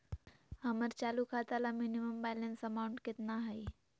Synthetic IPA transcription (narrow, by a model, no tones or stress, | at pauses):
həməɾt͡ʃalukʰat̪alaminiməmbɛlənsəmauɳʈkɪt̪naɦəj